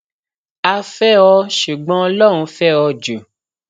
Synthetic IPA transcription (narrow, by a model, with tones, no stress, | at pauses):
a˧fɛ˦ɔ˧ʃu˨ɡ͡bɔ̃˦ɔ˧lɔ˦ɾ̃ũ˧fɛ˦ɔ˧d͡ʒo˨